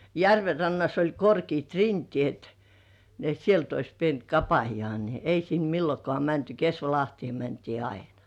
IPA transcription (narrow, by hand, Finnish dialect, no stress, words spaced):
jærʋe rɑnːɑs olʲ korkiːt rintĭeˑt ni et sielt ois pient kɑpɑjŏɑˑ ni ei sin milːokŏɑˑ mænty kesʋɑlɑhtĭeˑ mæntiː ɑinɑ̥